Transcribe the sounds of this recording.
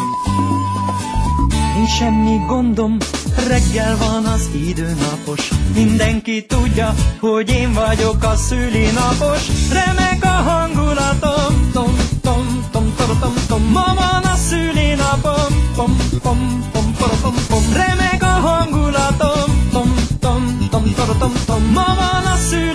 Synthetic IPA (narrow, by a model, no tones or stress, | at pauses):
iːnʃɛmːiɡo̞nd̪o̞mrɛɡːɛlvɒnɒzid̪øːnɒpo̞ʃmind̪ɛŋkit̪uɟːɒho̞ɟeːɱvɒɟo̞kɒsyːlenɒpo̞ʃrɛmɛkɒɦɒŋɡulɒt̪omt̪omt̪om | t̪omt̪ot̪omt̪omːɒvɒnɒsyːleːnɒpomomt̪omt̪omoomomrɛmɛkɒɦŋɡulɒt̪omt̪omt̪omt̪omt̪ot̪omt̪omːɒvɒnɒsyː